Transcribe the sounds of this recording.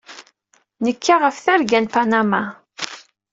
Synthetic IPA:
nəkʰːaʁəfθæɾɡænpanama

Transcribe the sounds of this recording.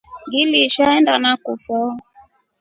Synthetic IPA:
ɡiliʃaɛndanakufɔ

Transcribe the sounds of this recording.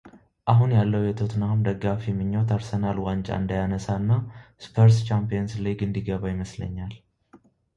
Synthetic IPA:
ʔaɦunjalːəwjɛt̪ʰot̪ʰnahumd̪əɡːafjɛmːɨɲːowt̪ʰaɾsənalwant͡ʃʼa̰ɨnd̪ajanəsanːaspʰəɾst͡ʃampijɛnslajɡɨnd̪iɡəβajɪməslə̰ɲːal

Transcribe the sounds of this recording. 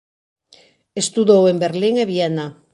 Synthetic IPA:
est̪uðowembeɾliŋeβiena

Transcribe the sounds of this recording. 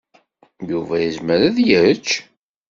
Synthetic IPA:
juvæjəzməɾæðjət͡ʃː

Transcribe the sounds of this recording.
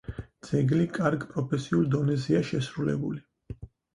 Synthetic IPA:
d̪z̥ɛɡlikʼaɾɡpʼɾɔpʰɛsiulˠd̪ɔnɛziaʃɛsɾulɛ̰buli

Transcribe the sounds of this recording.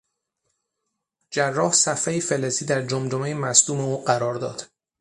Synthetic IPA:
d͡ʒærːɒːhsæfejifeleziːd̪æɾd͡ʒomd͡ʒomejemæsd̪uːmeuːɢæɾɒːɾd̪ɒ̰ːd̪̥

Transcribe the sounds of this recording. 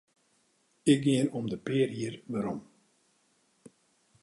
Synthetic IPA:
ɪk̚ɡɪənɔmdəpɪəriərʋaɾɔm

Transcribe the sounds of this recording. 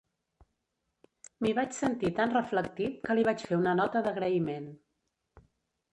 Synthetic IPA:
miβat͡ʃsənt̪it̪anrəflək̚t̪iwkəliβ̞at͡ʃfeunənɔt̪əðəɣɾəimen

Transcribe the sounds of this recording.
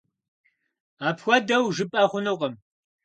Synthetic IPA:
aːpʰxʷɔdɐwʒɨpʼaχʷʊnɨqɐm

